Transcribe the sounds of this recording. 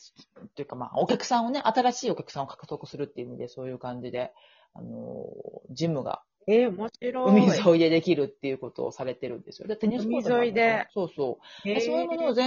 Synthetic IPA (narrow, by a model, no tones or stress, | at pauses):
t̪ojɯ̟kama̰ːokʲakɯ̟̥sãɰ̃o̞ne̞ʔat̪aɾaɕiːo̞kʲakɯ̟são̞kḁkɯ̟t̪o̞kɯ̟̥sɨɾɯ̟t̪ːeiɯ̟imʲid̪e̞so̞ːjɯ̟ːkãɲ̟d͡ʑid̪e̞ | a̰no̞̰d͡ʑimːɯ̟ɡa̰ | eomoɕiɾoɯmʲizoid̪e̞d̪e̞kʲiɾɯ̟t̪ːe̞jɯ̟ko̞t̪o̞̰ːsaɾe̞t̪e̞ɾɯ̟̃nd̪e̞sɨjod̪at̪eɲiizoid̪eso̞ːso̞ːd̪esoːjɯmo̞noːzẽ